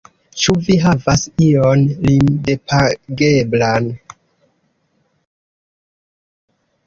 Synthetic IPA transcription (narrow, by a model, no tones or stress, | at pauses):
t͡ʃuviɦavasionlimdepʰaɡeblan